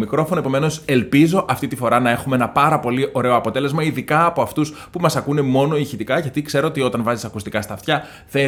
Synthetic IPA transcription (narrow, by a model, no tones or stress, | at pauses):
mikɾo̞fonoe̞po̞me̞no̞se̞lpizo̞ʔɐft̪it̪ifo̞ɾɐnɐe̞xumeenɐpɐɾɐpo̞liʔo̞ɾe̞o̞ɐpo̞t̪e̞lzmɐiðikɐːpo̞ɐft̪uspumɐsɐkune̞mo̞no̞içit̪ikɐʝɐt̪ikse̞ɾo̞ot̪io̞t̪ɐnvɐzisɐkust̪ikɐst̪ɐft̪çɐ | θe̞